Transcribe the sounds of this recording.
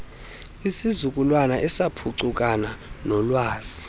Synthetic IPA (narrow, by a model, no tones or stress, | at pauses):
isizuk̬ʼulwanaʔɛsapʰuǀuk̬ʼananɔlwaːz̥i